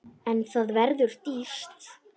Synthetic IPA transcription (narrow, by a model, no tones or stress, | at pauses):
ɛnθaðvɛɾðʏɾ̥t̪ist̪